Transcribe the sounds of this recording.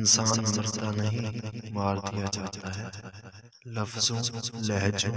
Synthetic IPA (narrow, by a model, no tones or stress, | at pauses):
nsaːnzɐɾt̪anɐɦĩmaːɾd̪ijad͡ʒaːt̪aɦɛː | lɐfzõːlɛɦd͡ʒõː